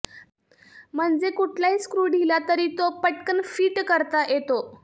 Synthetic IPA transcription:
m̤əɳd͡zekuʈʰlaiskɾuːɖʱilat̪əɾiːt̪opəʈkənfiːʈkəɾt̪ajet̪o

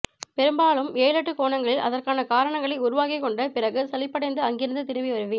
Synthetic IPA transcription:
pɛɾɯmbaːɭɯmeːjlɐʈːɯkoːɳɐŋɡɐɭʔɐ̰ðɐrkaːnɐkaːɾɐɳɐŋɡɐɭɐɪʊɾʊʋaːkɪkːɔɳɖɐpɪrɐɣɯsɐlɪpːɐɽɐɪnd̪ɯɐŋɡɪɾɐnd̪ɯt̪ɪnɪʋɐʋɐɾɯʋi

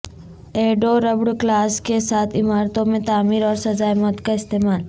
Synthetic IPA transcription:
eːɖoɾɐbɽklaːskesaːt̪ʰɪmaːɾt̪õmẽt̪aːmiːɾɔːɾsɐd͡ʒaːjmɔːt̪kaɪst̪eːmaːl

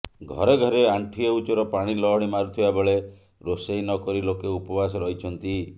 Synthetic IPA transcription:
ɡʱɔ̰ɾeɡʱɔɾeaɳʈʰieut͡ʃɔɾɔpaɽ̃ilɔɦɔɽ̃imaɾut̪ʰibabeɭe | ɾosejnɔkɔɾilokeupɔbasɔɾɔɦit͡ʃʰɔnt̪i

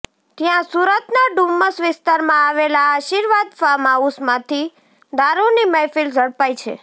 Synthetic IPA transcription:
t̪jãsuɾət̪naɖumːəsʋɪst̪aɾmãaʋelaːʃiɾʋad̪famausmãt̪ʰi | d̪aɾuniməjfild͡ʒəɽpajt͡ʃʰḛ

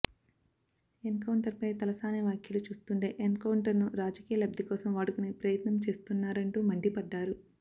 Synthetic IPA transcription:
enkɐwɳʈɐɾpɐjt̪ɐlɐsaːneʋjaːkʰjɐlut͡ʃuːst̪uɳʈeːʔenkɐwuɳʈɐɾnuɾaːd͡ʒɐkiːjɐlɐb̚d̪ʱikɔːsɐmʋaːɽukunepɾɐjɐt̪nɐmt͡ʃe̞ːst̪unːaːɾɐɳʈuːmɐɳɖipɐɖːaːɾu

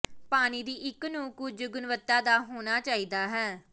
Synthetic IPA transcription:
paːñiːd̪iːʔɪknũːkʊd͡ʒɡʊnʋət̪ːaːd̪aːɦoːñaːt͡ʃaːiːd̪aːɦɛː

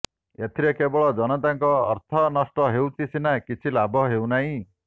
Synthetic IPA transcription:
et̪ʰiɾekebɔɭɔd͡zʌnʌt̪aŋkɔ̰ːɾt̪ʰʌnʌsʈʌɦewt͡sisinakit͡sʰilabʱɔɦewnaĩ

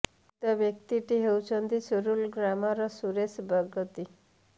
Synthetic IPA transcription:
t̪əʋjək̚t̪iʈiɦewt͡sənd̪isuɾuːlɡɾamaɾɔsuɾesbʱəɡət̪i

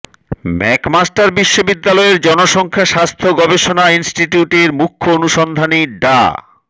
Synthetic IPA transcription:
mɛkmasʈaɾbiʃːobid̪ːalɔeɾd͡ʑɔnoʃɔŋkʰaʃast̪ʰoɡɔbeʃonainsʈiʈiuʈeɾmukʰːoonuʃɔnd̪ʱaniɖa̰

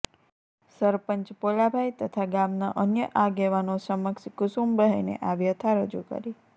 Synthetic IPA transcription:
səɾpəɲt͡ʃpolabʱajt̪ət̪ʰaɡamnaʔənjəʔaɡeʋanosəməkskusumbəɦəjnḛʔaʋjət̪ʰaɾəd͡ʒukə̰ɾi

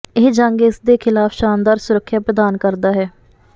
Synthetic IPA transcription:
ɪd͡ʒəŋɡɪsd̪eːkʰɪlaːfʃaːnd̪aːɾsʊɾəkʰːjaːpɾəd̪aːnkəɾd̪aːɦɛː

